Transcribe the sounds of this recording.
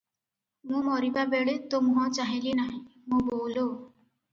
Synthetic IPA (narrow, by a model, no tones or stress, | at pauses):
mũmɔɾibabeɽet̪omɦɔ̃t͡ʃaɦilinaɦĩmũboːlo